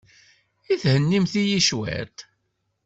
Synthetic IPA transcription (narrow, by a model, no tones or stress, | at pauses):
iθhənːimθijiʃwæ̰ɾt̪